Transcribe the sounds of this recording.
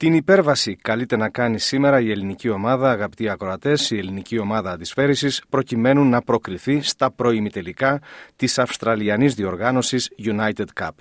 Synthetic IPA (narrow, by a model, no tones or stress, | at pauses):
t̪inipe̞ɾvɐsikɐlit̪e̞nɐkɐnisime̞ɾɐie̞linicio̞mɐðɐːɣɐpi̥t̪iɐkɾo̞ɐt̪e̞sie̞linicio̞mɐðɐːnd̪isfe̞ɾisispɾo̞cime̞nunːɐpɾo̞kɾiθist̪ɐpɾo̞imit̪e̞likɐt̪isɐfst̪ɾɐliɐnizðio̞ɾɣɐno̞sisʝunɐjt̪ed̪kɐ̰b̥